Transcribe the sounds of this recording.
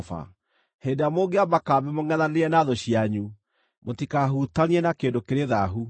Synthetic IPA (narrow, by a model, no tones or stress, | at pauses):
fa̰ | heːdamoːɡeamakaβɛmoŋɛnaneɛnaðoɕiaɲu | motikaɦutaniɛnakeːndokeɾeðaɦu